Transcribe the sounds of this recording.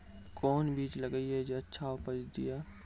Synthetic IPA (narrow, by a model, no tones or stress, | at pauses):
kɔːnbʱiːt͡ʃlɐɡəiɦɛd͡ʒoɐtːʃʰaʊpəd͡ʒd̪ɪjaː